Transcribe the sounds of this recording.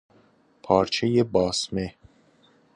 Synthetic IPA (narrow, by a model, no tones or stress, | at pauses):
pʰɒːɾt͡ʃʰejebɒːsme